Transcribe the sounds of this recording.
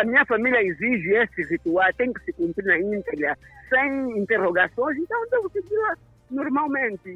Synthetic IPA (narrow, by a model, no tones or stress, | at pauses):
amĩɲɐfamiljɐiziʒɪesɪrit̪ualt̪ẽkɪ̥sɪkũmpɾinaĩnt̪ɛɡɾɐsẽj̃ĩnt̪eroɡasõj̃s̬ẽnt̪ɐ̃w̃d̪evʊsɪɡila | noɾmalmẽnt̪ɪ